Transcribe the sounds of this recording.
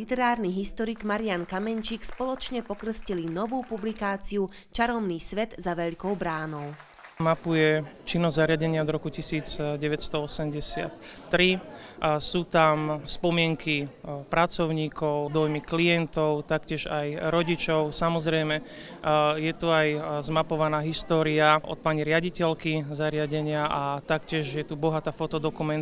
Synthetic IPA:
lit̪ɛɾaːɾniɦist̪ɔɾiːɡmaɾiankamɛɲt͡ʃiːkspɔlɔt͡ʃɲɛpɔkr̩scilinɔʋuːpublikaːt͡siut͡ʃaɾɔmniːsʋɛd̪zaʋɛʎkɔʊbɾaːnɔʊ | mapujɛt͡ʃinːɔzzaɾɪaɟɛɲɪad̪ɾɔkucisiːd͡zɟɛʋɛcst̪ɔɔsɛmɟɛsɪa̰t̪ːɾi | suːt̪amspɔmɪɛŋkipɾʔat͡sɔʊɲiːkɔʊd̪ɔjmiklijɛnt̪ɔʊt̪akcɪɛʒajɾɔɟit͡ʃɔʊsamɔzɾɛjmɛ | jɛt̪uajzmapɔʋanaːɦist̪ɔːɾiaʔɔ̰t̪̚paɲiɾɪaɟicɛlkizaɾɪaɟɛɲɪaʔat̪akcɪɛʒjɛt̪ubɔɦat̪aːfɔt̪ɔd̪ɔkumɛnt̪

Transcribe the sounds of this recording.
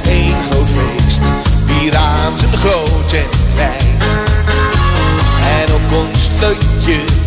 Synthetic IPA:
ejnχəvestbiɾaːtənχrowtəntʰɛjt | ɛnɔpɔnsløjə

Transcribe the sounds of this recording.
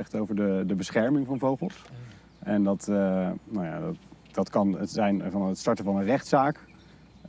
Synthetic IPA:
ɛχtowvəɹdədəbəsχɛɹmɪŋvɑnvowχəlˠs | ʔɛndɑtnaja̰dt | d̥ɑtkɑnətzɛjnvɑnətstɑɹtəvɑnənrɛχtsaːk

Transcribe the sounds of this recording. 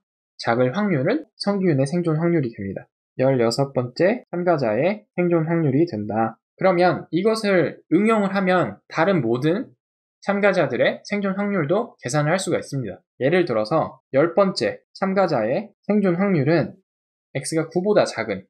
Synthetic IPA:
t͡ɕaɡɯɭɸwaŋɲuɾɯsʰʌŋɡuune̞sʰe̞ŋd͡ʑonɸwaŋɲuɾidwemɲida | jʌɭjʌsʰʌp͈ʌnt͡ɕ͈e̞t͡ɕʰamɡad͡ʑae̞sʰe̞ŋd͡ʑonɸwaŋɲuɾidwenda | kɯɾʌmjʌniɡʌsʰɯɾɯŋjʌŋɯɭɦamjʌntaɾɯnmodɯn | t͡ɕʰamɡad͡ʑadɯɾe̞sʰe̞ŋd͡ʑonɸwaŋɲuɭdoke̞sʰanɯɭɦaɭs͈uɡais͈ɯmɲida | je̞ɾɯɭtɯɾʌsʰʌjʌɭp͈ʌnt͡ɕ͈e̞t͡ɕʰamɡad͡ʑae̞sʰe̞ŋd͡ʑonɸwaŋɲuɾɯn | e̞k̚s͈ɯɡakubodat͡ɕaɡɯn

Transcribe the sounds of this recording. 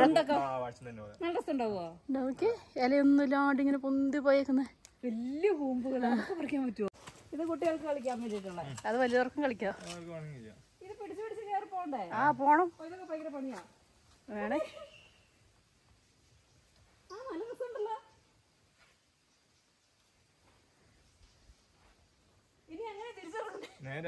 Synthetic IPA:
end̪okːenːnɐʈest̪ːuɳɖaːɣuookːeɐlɐjonːulaːɖiŋːɐnepund̪ipoːjeːkːunːɐeʋɐlːijɐɦuːmbuɣɐɭɐkːepɐrɐkʲːaːmpɐtːuoiðɨkoʈːijɐɭkːɨkɐɭikʲːaːmːeɾetːuɭːɐɐðɨʋɐlijɐðorkːɐŋkɐɭikʲːaɳija | iðɨpiʈʰit͡ɕːɨpiʈit͡ɕːileːrɨpoːɳɖaːjaaːpo̞ːɳɐmojðokːepɐjkɐɾɐpɐɳijaː | ʋeːɳe | aːmɐnɐmukːuoɳɖɐlːɐ | inieŋːɐnet̪iɾit͡ɕːɐrɐkːuɳɖene

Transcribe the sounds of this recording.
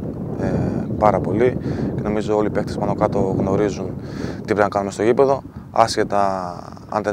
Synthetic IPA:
epɐɾɐpo̞liceno̞mizo̞o̞lipe̞k̚t̪e̞spɐno̞kɐt̪o̞ɣno̞ɾizunt̪i̥pɾepinɐkɐnumest̪o̞ʝipe̞ðo̞ɐ̰sce̞t̪ɐ | ɐ̰nd̪e

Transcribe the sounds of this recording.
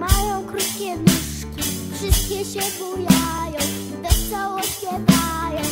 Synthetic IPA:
majɔ̃w̃kɾut̪kʲɛnuʂkkʲifʂɨst̪̚kʲɛɕɛbujajɔ̃w̃ | d̪ɛsɔwɔ | ɛd̪ajɔ̃w̃

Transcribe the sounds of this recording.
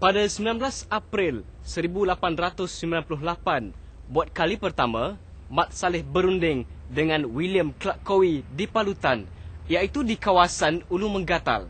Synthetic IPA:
padasəmbilanblasapɾɪl | səɾibulapanrat̪ʊsːəmbilanpulʊhlapan | buat̪̚kalipərt̪amã | mat̪̚salɪhbəɾundɪŋdəŋãnwiliəmklaʔkowidipalut̪anjait̪udikawasanulumə̃ŋɡat̪a̰l

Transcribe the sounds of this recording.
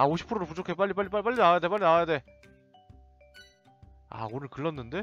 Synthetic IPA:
aoɕ̬ʰi̥pʰɯɾoopud͡ʑʰokʰe̞p͈aʎːip͈aɭːʎːip͈ap͈aʎːinawajadep̬͈aʎːinawajade̞ | a̰konɯɭkɯɭːʌnːɯnde

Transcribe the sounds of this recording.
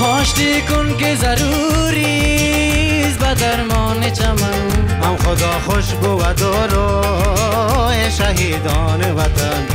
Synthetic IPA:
ɔːʃt̪ikʊnkezɐɾu | ɾi | zbɐd̪aɾmɔːnet͡ʃʰamanamxod̪ɔːxoʃbowɐd̪oɾo | heʃɐɦiːd̪ɔːneʋɐt̪an

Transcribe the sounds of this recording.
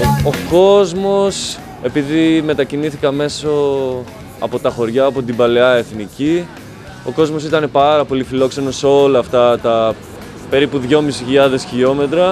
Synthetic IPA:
oko̞zmo̞s | e̞piðime̞t̪ɐciniθikɐme̞so̞ | ɐ̰po̞t̪ɐxo̞ɾʝɐːpo̞t̪ibɐle̞ɐe̞θnici | o̞ko̞zmo̞sit̪ɐne̞pɐɾɐpo̞lifilo̞kse̞no̞seo̞lɐːft̪ɐt̪ɐ | pe̞ɾipuðʝo̞misiçiʎɐðe̞sçio̞me̞t̪ɾɐ

